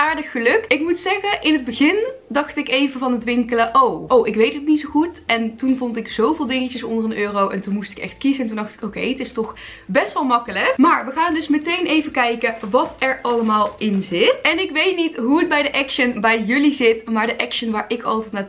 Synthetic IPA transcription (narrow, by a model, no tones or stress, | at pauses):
ʔaːɹdəxːəlɵk̚tɪkmutsɛɣəʔɪnɦəd̚bəɣɪndɑxtɪkejvəvɑnɦətʋɪŋkələʔowʔowʔɪkʋejtətnitsowχutɛntunvɔntɪkz̥owvɪːlˠdɪŋəcəsɔndərənøːrowɛ̰ntunmustɪ̥kɛ̰xtkizəɛntundɑxtɪ̥kowkejətɪstɔx | bɛstʋɑlˠmɑkələkmaːɹʋəɣaːndɵsmətejnʔejvəkɛjkəʋɑtɛɹɑləmaːlˠɪnzɪtɛnɪkʋejtnitɦuəd̚bɛjdəʔɛkʃənbɛjjɵlizɪtmaːɹdəʔɛkʃənʋaːɹɪkɑ̰lˠtɛjtnat